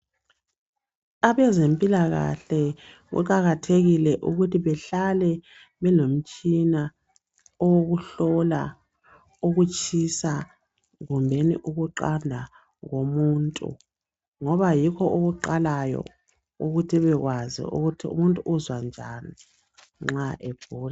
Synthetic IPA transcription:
aβɛzempʼilaɣa̰ɬɛ | ɣṵk̬ʼaɣatʰeɣilɛʔuɣutʰiβɛɬalɛ | βɛlom̩t͡ʃʼina | ɔwoɣuɬɔla̰ | uɣut͡ʃʰʼisa | ɣumbʱenḭʔuɣuǃandʱa | ɣomuntʼṵ | ŋɔβajikʰɔʔoɣuǃalajɔ̰ | uɣutʰiβɛɣwazḭṵɣutʰiṵmuntʼuʔːzwand͡ʒʱani | ŋ͡ǁaʔeb̥ʱuːla

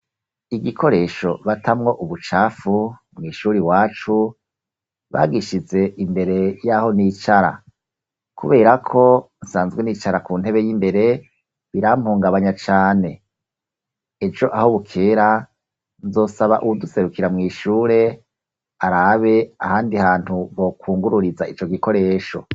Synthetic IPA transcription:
iɡikʰo̞ɾe̞ʃo̞βatʰamŋo̞ʔuβut͡ʃaːfu | mŋiːʃuːɾiwaːt͡ʃu | βa̰ːɡiʃize̞ʔimbe̞ɾe̞jaho̞niːt͡ʃaɾa̰ | kuβe̞ːɾakʰo̞nsaːnzɡwenit͡ʃaɾakuːn̥he̞βe̞jimbe̞ɾe̞ | βiɾam̥huːŋɡaβaɲat͡ʃaːne̞ | evd͡ʒo̞ʔahoβukʰeːɾa | nzo̞ːsaβa̰ʔuwuduse̞ɾukiɾamŋiːʃuːɾe̞ | aɾaβe̞a̰haːndihaːn̥huβo̞kʰuːŋɡuɾuɾizait͡ʃo̞ɡiko̞ɾe̞ːʃo̞

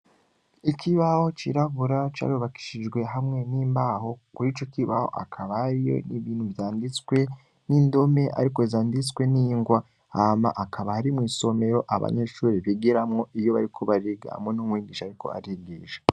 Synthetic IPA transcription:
ikʰiβaho̞t͡ʃiɾaβuɾat͡ʃa̰ːɾuβaki̥ʃid͡ʒɡwe̞ɦamŋe̞niːmbaho̞kuɾit͡ʃokiβaho̞̰ʔa̰kʰaβaɾijo̞̰niβiːn̥huvjaːndit͡swe̞ | niːndo̞me̞ʔa̰ɾiko̞zaːndit͡swe̞niːŋɡwa | ama̰ʔakʰaβahaɾimŋiːso̞me̞ɾo̞ʔaβa̰ɲe̞ʃuːɾiβiɡiɾamŋo̞ʔijo̞βaɾikʰoβaɾiɡa̰mwenumwiːɡiʃaɾiko̞̰a̰ɾiɡiʒe

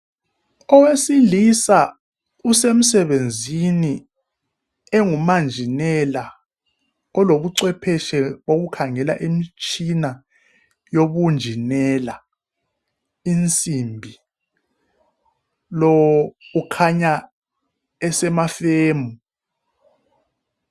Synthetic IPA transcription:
ɔwesilisa | usem̩sɛɓend͡zʱini | eŋumand͡ʒʱinɛla | ɔloɓuǀwɛpʰɛʃɛɓok̬ukʰaŋɛla̰ʔemit͡ʃʼʰina | joɓund͡ʒʱinɛla | int͡sʼimbʱi | lɔwukʰaɲa | ɛsɛmafeːmu

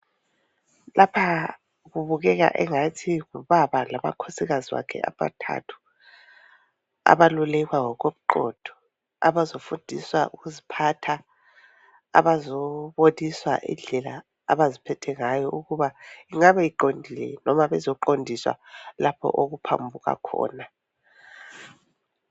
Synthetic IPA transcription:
lʔapʰa | ɣuβuɣɛɣa̰ʔɛŋatʰiɣuβaβalama̰kʰɔsiɣaziwa̰kʰɛ̰a̰βa̰tʰa̰tʰu̥ | a̰βalulɛɣwawɔɣoβuǃɔ̰d̥ʱɔ̥ | a̰βazofund̥ʱiswaʔuɣuzipʰatʰa | a̰βazɔβodiswa̰ʔḭnɮɛla̰ː | βazipʰɛtʰɛŋajɔʔuɣuβaiŋaβajiǃondʱilɛ̰nɔmaβɛzɔǃondʱiswa̰lapʰɔ̰ʔoɣupʰa̰mbʱuɣa̰kʰɔ̰ːna

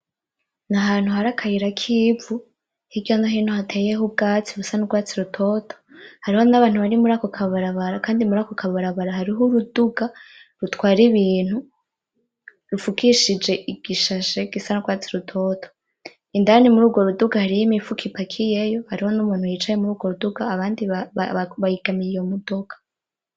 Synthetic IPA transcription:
naɦaːn̥huhaɾakʰajiɾakʰivu | hiɡɟonaɦiːnhohatʰejeɦub̚ɡaːt͡siβusanuɡwaːt͡siɾutʰo̞tʰo̥haɾiho̞naβaːn̥huβaɾimuɾakokʰaβaɾaβaɾakaːndimuɾakokʰaβaɾaβaɾaɦaɾiɦuɾuduɡaɾutkwaːɾiβiːn̥hu | ɾufukiʃid͡ʒe̞ʔiɡ̥iʃaʃe̞ɡ̥isanuɡwaːt͡siɾutʰo̞ːtʰo̥ | indaɾanimuɾuːɡo̞ɾuduɡahaɾijimifukʰipakʰije̞jo̞haɾiho̞numuːn̥hujiːt͡ʃaje̞muɾuːɡwo̞ɾuduɡaːβaːndiβaβajiɡ̥amiɾijomudokḁ

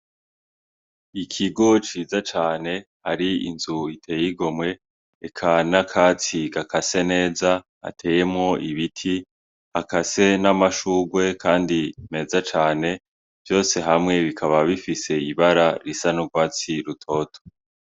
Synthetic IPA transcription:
ikʰiɡo̞t͡ʃiːzat͡ʃaːne̞ | haɾiḭnzuitʰe̞ːjiɡo̞mŋwe̞ː | kʰanakʰat͡siɡakʰase̞ne̞ːza | a̰tʰe̞ːje̞mŋo̞ʔiβitʰi | akase̞namaʃuːɡwe̞kʰaːndine̞ːzat͡ʃaːne̞ | v̥jo̞ːse̞ɦamŋe̞βikʰaβaβifise̞iβaɾaɾisanuɡwaːt͡siɾutʰo̞ːtʰo̥

